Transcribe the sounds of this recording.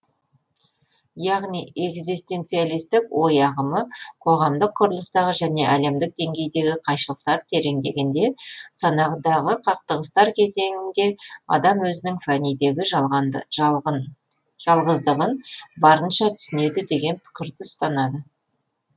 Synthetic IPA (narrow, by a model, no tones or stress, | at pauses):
jɑʁnije̞ɡzijst̪e̞nt̪sijalijst̪ɪkwo̞jɑʁəməqʰo̞ʁɑmd̪əqʰːʊɾəlˠəst̪ɑʁəʒæne̞ʔæle̞md̪ɪk̚d̪e̞ŋɡʲe̞jd̪e̞ɡʲɪqʰɑjʃəlˠəq̚t̪ɑɾt̪ʰe̞ɾe̞ŋd̪e̞ɡʲend̪e̞sɑnɑʁd̪ɑʁəqʰɑq̚t̪əʁəst̪ɑɾkʲʰe̞ze̞ŋɪnd̪e̞ɑ̰d̪ɑmwɵzɪnɪŋfanijd̪eɡʲɪ | ʒɑlˠʁəzd̪əʁənbɑɾənʃɑt̪ʰʏ̥sɪne̞d̪ɪd̪e̞ɡʲe̞npʰʏ̥kʲɪɾd̪ɪʊst̪ɑnɑd̪ə